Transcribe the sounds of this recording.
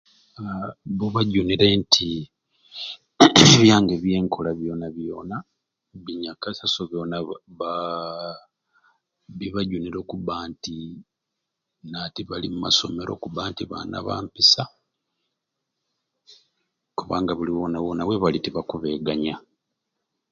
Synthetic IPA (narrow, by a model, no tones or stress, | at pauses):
βuβaɟuniɾentʰi | eβjaːŋɡe̞βje̞ːŋkʰo̞laβjo̞ːnaβjo̞ːna | βiɲakasasoβjo̞ːnaβa | βiβaɟuniɾo̞ːkuβaːnti | natiβalimuma̰so̞me̞ɾʔo̞̰kubaːntiβa̰ːna̰βa̰ːmpisa | kuβaːŋɡaβuliwo̞ːnawoːnawe̞βalitiβakuβe̞ɡaɲa